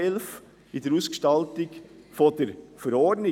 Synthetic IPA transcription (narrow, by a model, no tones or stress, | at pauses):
ɛlf | idəɾuskʃtɑlt̪ɪk | fod̥əɾfəɾɔɹdnɪ